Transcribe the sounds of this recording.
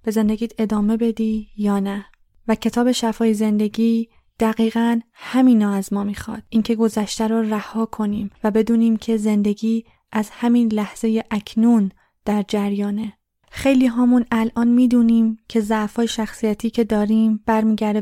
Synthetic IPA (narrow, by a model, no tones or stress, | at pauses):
b̥e̞ze̞nd̪eɡiːd̪e̞d̪ɒːme̞be̞d̪iːjɒːnæ | væcʰe̞t̪ʰɒːbe̞ʃæfɒːjeze̞nd̪e̞ɟiː | d̪̥æɣiːɣænhæmiːnɒːæzmɒːmiːxɒ̰ːd̪̥ʔiːncʰe̞ɡo̞zæʃt̪æɾɔːræhɒːkʰo̞niːmvæbe̞d̪uːniːmcʰe̞ze̞nd̪e̞ɡiː | ʔæzhæmiːnlæhz̥e̞jeʔæcʰnun | d̪̥æɾd͡ʒæɾjɒːne̞ | xe̞jliːɦɒːmunælʔɒːnmiːd̪uːniːmcʰe̞zæʔfɒːjeʃæxsijæt̪ʰiːcʰe̞d̪ɒːɾiːmb̥æɾmiːɟæɾd̪e